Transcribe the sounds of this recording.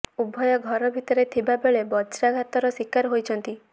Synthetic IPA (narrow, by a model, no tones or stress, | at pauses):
ubʱːɔjɔɡʱɔɾɔbʱit̪ɔɾet̪ʰibabeɭebɔt͡ʃɾaɡʱat̪ɔɾɔsikaɾɦojt͡ʃʰɔnt̪i